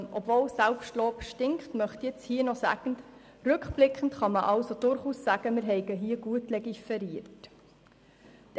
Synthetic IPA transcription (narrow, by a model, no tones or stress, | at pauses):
nɔbvoːlsælpʃtloːpʃtɪŋkχtmœχt̪jet͡shiːənɔsæ̰ɡ̥ən̩t | ɾʉkχb̥lɪkχən̩tχɑməʔɑlsod̥ʊɾχuːsːæɡ̥əmɪɾɦɛɪɡəɦiːɡ̥uətlɛɡifɛɾiəɾt | t̪